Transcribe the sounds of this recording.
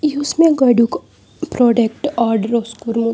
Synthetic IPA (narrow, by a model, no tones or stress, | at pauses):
iusmẽɡɐɖuk | pɾɔːɖek̚ʈaɾɖɾoskuɾmu